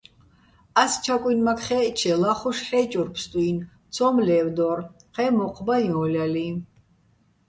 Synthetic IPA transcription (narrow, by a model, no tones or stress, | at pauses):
ast͡ʃʰakʼwinmakχɛt͡ʃʰɛlaχɔʃħɛːt͡ʃʼɔɾpʰst̪ʼuin | t̪t͡sʰɔmlɛːvd̪ɔɾ | qɛmɔqʼbajɔ̃lʲali